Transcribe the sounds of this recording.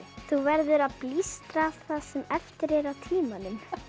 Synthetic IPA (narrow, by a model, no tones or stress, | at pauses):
θuvɛɾðʏɾaðplist̪ɾaθasɛmɛft̪ɪɾɛɾawt̪ʰiːmanʏm